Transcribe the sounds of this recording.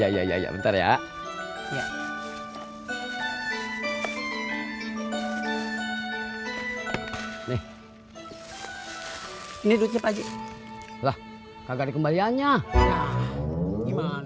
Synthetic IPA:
aija̰ija̰ḭja̰bə̰nt̪aɾja̰ | ja | nɛh | inidut̪apad͡ʒi | lah | kaɡadikəmbalianɲaa | ima

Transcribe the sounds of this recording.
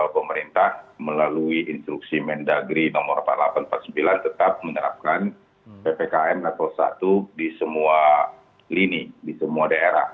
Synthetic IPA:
pəməɾint̪ahməlaluiʔinst̪ɾuksimɛndaɡɾinɔmɔrpa̰lapanmpat̪̚səmbilant̪ət̪ap̚mənəɾa̰p̚kan | pepekaɛmnat̪ɔlsa̰t̪udisəmua | linidisəmuadaeɾa̰h

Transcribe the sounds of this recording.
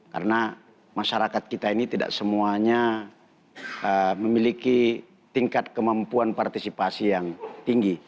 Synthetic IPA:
ka̰ɾəna | maʃaɾakat̪̚kit̪ainit̪ida̰ʔsəmuaɲa | əməmiliki | t̪iŋkat̪̚kəmampuanpart̪isipasijaŋt̪iŋɡi

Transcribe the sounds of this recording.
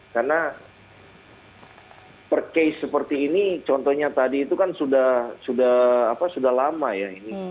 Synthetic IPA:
karna | pərkejsːəpərt̪iːnit͡ʃɔnt̪ɔhɲat̪adiːt̪ukansudahsudahapasudahlamajaini

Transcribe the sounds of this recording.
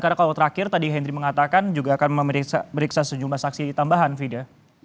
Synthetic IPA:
kaɾakalot̪əɾakɪrt̪adiɦɛnɾiməŋat̪akand͡ʒuɡaːkanməaməɾiksasəd͡ʒumlahsaksiit̪ambaɦanfida

